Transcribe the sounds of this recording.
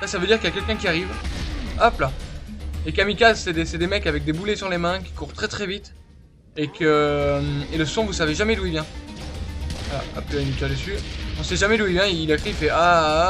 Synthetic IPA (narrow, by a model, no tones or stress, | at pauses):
sasavød̪iʁkəljakʲɛlkʲɛ̃kʲiaʁiv | apla | ekamikazsɛd̪esɛd̪emɛkavɛk̚d̪ebulɛsyʁlemɛ̃kʲi̥kuʁt̪χɛt̪χɛvit̪ | ekʰə | eləsɔ̃vusaveʒamɛluivjɛ̃ | vala̰a̰plyanit̪aʁd̪əsyɔ̃sɛʒamɛluivjɛ̃iilakχiifɛʔa